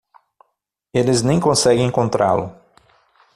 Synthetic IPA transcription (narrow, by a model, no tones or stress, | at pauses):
elɪznẽj̃kõsɛɡẽẽŋkõnt̪ɾa̰lʊ̰